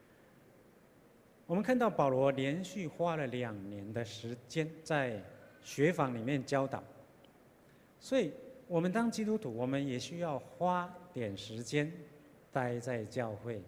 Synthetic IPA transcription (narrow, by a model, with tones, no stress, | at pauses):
wɔ˨˩mə˦nkʰnt̪ɑ˥˩ʊpɑ˨˩ʊlwɔ˧˥ljɛ˧˥nɕy˥˩xwa˥lə˨ljɑ˨˩ŋnjɛ˧˥nd̪ə˧ʂɻ̩˧˥t͡ɕjɛ˥nt͡sa˥˩ɪɕɥɛ˧˥fɑ˧˥ŋli˨˩mjɛ˥˨nt͡ɕjɑ˥ʊt̪ɑ̰˨˩˦ʊ | swɔ˧˥i˨˩wɔ˨˩mə˦nt̪ɑ˥ŋt͡ɕi˥t̪u˥t̪ʰu˧˥wɔ˨˩mə˦njɛ˨˩ɕy˥jɑ˥˩ʊxwa˥t̪jɛ˨˩nʂɻ̩˧˥t͡ɕjɛ˥n | t̪a˥ɪt͡sa˥˧ɪt͡ɕjɑ˥˧ʊxwe˥˩ɪ